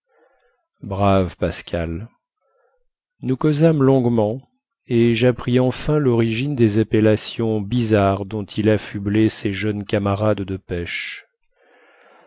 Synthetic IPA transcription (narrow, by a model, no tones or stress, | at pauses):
bʁavpaskʲʰal | nukɔzamlɔ̃ɡmɑ̃ | eʒapχiɑ̃fɛ̃lɔʁiʒind̪ezapelasjɔ̃bizaʁd̪ɔ̃t̪ʰilafybleseʒœnkamaʁad̪d̪əpɛʃ